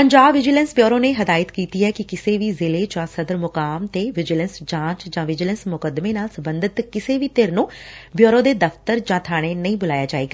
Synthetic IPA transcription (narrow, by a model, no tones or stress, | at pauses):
pəɲd͡ʒaːbʋɪd͡ʒɪlə̃nsbjoːɾõːneːɦəd̪aːɪt̪kiːt̪iːɦɛːkɪkɪseːʋiːzɪleːd͡ʒãːsəd̪əɾmʊkaːmt̪eːʋɪd͡ʒɪlənsd͡ʒãːt͡ʃd͡ʒãːʋɪd͡ʒɪlənsmʊkəd̪meːnaːlsəbə̃nd̪ət̪kɪseːʋiːt̪eɾnũːbjoːɾõːd̪eːd̪əft̪əɾd͡ʒãːt̪ʰaːɽ̃eːnəĩːbʊlaːjaːd͡ʒaːeːɡaː